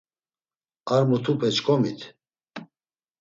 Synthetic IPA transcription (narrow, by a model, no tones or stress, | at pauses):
aɾmut̪ʰupʰɛt͡ʃkʰʼɔmit̪ʰ